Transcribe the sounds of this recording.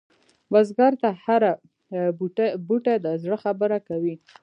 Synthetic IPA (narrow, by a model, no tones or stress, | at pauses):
wazɡɑɾt̪ahaɾa | buʈad̪əzɽəxabəɾakawi